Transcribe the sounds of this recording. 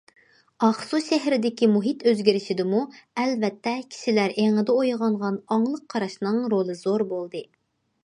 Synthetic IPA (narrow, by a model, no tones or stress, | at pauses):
ɑχsuʃɛɦɾɪd̪ɪkʲimuɦit̪ʰøzɡʲiɾɪʃid̪ɪmuɛlvɛt̪ʰːɛkʲʰi̥ʃilæɾʔeŋɨd̪ɛojʁɑɴʁɑnɑŋlˠəqʰːɑɾɑʃnɨŋɾolˠɨzoɾbolˠd̪ɨ